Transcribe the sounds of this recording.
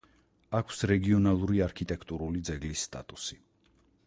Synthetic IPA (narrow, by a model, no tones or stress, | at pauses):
akʰsɾɛɡiɔnalˠuɾiaɾkʰit̪ʼɛkʰt̪ʼuɾulid̪zɛɡlisːt̪ʼa̰t̪ʼusi